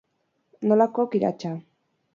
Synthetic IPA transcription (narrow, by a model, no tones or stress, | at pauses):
nolakokiɾa̰t͡ʃa